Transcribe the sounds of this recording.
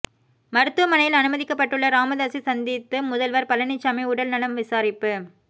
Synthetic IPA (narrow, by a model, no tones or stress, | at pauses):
mɐɾɯt̪ːɯʋɐmɐnɐjɪlɐnɯmɐðɪkːɐpːɐʈːɯɭːɐɾaːmɐðaːsisɐnd̪ɪt̪ːɯmʊðɐlʋɐɾpɐlɐnɪt͡ʃːɐmɐɪʊɽɐlnɐlɐmʋɪsaːɾɪpːɯ